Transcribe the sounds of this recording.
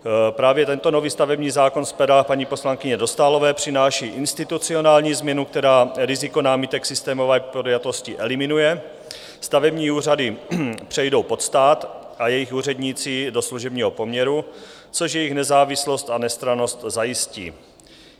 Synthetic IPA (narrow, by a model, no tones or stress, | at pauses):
pɾaːvjɛt̪ɛnt̪o̞no̞viːst̪avɛbɲiːzaːko̞nspɛdapaɲipo̞slaŋkɪɲɛdo̞st̪aːlo̞vɛːpr̥ɪnaːʃiːʔɪnst̪ɪt̪ut͡sio̞naːlɲiːzmɲɛnuk̚t̪ɛɾaːɾɪzɪko̞naːmɪt̪ɛksɪst̪ɛːmo̞vɛːpodjat̪o̞scɪʔɛlɪmɪnujɛ | st̪avɛbɲiːuːr̝adɪpr̥ɛjdo̞wpo̞t̪st̪aːt̪ʔajɛjɪxuːr̝ɛdɲiːt͡siːdo̞sluʒɛbɲiːɦopo̞mɲɛɾu | t͡so̞ʃjɛjɪxnɛzaːvɪslo̞st̪anɛst̪ɾano̞st̪zajɪscḭː